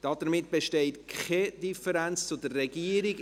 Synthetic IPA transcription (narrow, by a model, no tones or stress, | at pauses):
d̥ɑd̪̥əɾmɪtb̥eʃtɛɪtkχɛd̥ifəɾænt͡st͡sʊdərrɛɡiəɾiɡ